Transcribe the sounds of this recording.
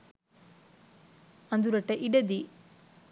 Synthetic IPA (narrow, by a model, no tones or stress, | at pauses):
ɐnd̪uɾɐʈːɐʔiɖɐd̪i